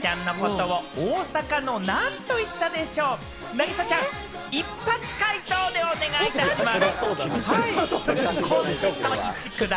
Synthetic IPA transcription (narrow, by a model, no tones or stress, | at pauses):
t͡ɕãnːo̞ko̞t̪o̞βaoːsakano̞nãnt̪o̞it̪ːad̪e̞ɕo̞ː | naɡʲisat͡ɕãŋ | ipːat͡sɨ̥kait̪oːd̪e̞one̞ɡait̪aɕimas | i | oit͡ɕikɯ̟d̪